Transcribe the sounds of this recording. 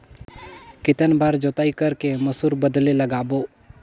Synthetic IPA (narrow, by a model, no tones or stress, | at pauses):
kɪt̪ənbaːɾd͡ʒot̪aːikəɾkeməsuɾbəd̪leləɡaːboː